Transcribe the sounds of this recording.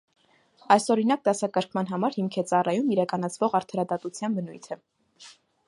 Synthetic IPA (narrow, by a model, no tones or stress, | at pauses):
ɑjsɔɾinɑk̚d̪ɑsɑkəɾkʰmɑn̪ɦɑmɑɾhimkʰɛt͡sɑrɑjumiɾɑkɑnɑt͡sʰvɔʁɑɾt̪ʰɑɾɑd̪ɑt̪ut͡sʰjɑnbənujt̪ʰə